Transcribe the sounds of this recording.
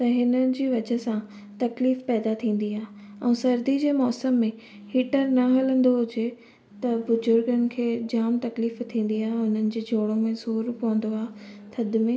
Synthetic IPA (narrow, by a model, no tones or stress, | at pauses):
t̪ɐɦɪnəɪ̆d͡ʑiːʋɐd͡ʑə̆sã | t̪ɐkliːfpɛːd̪at̪ʰĩːn̆d̪iaːɦe | ɛ̃ːsɐɾd̪id͡ʑeːmɔːsəmːẽ | hiːʈəɾnɐɦɐlə̃nd̪oɦʊd͡ʑe | t̪ɐbʊzʊɾɡənɪ̆kʰeːd͡ʑaːmt̪ɐkliːft̪ʰĩːn̆d̪iaːɦeɦʊn̤ənɪ̆d͡ʑeːd͡ʑʱoːɽ̃õmẽsuːɾpɐʋə̃n̆d̪oaːɦɪt̪ʰɐd̪ɪ̆mẽː